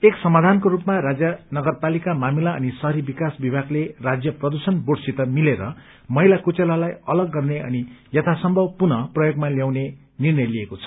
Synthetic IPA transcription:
eksʌmad̪ʱankoɾupmaɾad͡zjʌnʌɡʌrpalikamamilaʌ̰nisʌɦʌɾibikasbibʱaɡlerad͡zjʌprʌd̪usʌnboɽsit̪ʌmileɾʌ̰ | mʌɦilakut͡selalajʌlʌɡːʌrneʌ̰nijʌt̪ʰasʌmbʱʌbpunʌprʌjoɡmaljawne | nirnʌjliekot͡sʰʌ̥

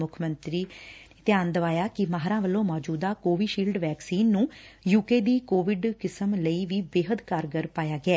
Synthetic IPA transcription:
mʊkʰmənt̪ɾiːt̪ɪjaːnd̪əʋaːjaːkɪmaːɦɾãːʋəlːõːmɔːd͡ʒuːd̪aːkoːʋiːʃiːlɖʋɛːksiːnːũːjuːkeːd̪iːkoːʋɪɖkɪsəmləiːʋiːbeːɦəd̪kaːɾɡəɾpaːjaːɡɪɛː

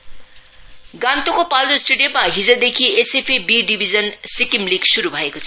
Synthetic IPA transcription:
ɡãnt̪ukopaldosʈeɖijomaɦid͡zʌd̪ekʰiesepʰebiɖibʱid͡zʌnsikimliɡsuɾubʱʌekot͡sʰʌ

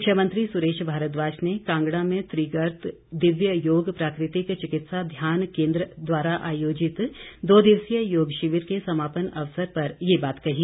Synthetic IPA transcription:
mʊkʰʃʰjəmə̃nt̪ɾisʊɾeːʃbʱaːɾət̪ʋaːd͡ʒnekãːŋɡɽamẽt̪ɾiːɡəɾt̪ | d̪ɪʋjəjoːɡpɾaːkɾɪt̪ɪkt͡ʃɪkɪt̪sad̪ʱjaːnkẽːnd̪ɾəd̪ʋaːɾaʔaːjoːd͡ʒɪt̪d̪oːd̪ɪʋsjəjoːɡʃɪʋɪɾkesɐmaːpənɐʋsəɾpɐɾjebaːt̪kɐɦi

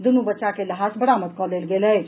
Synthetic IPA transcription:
d̪unubətːʃakeləɦasbəɽamət̪̚kɔlelɡeləj

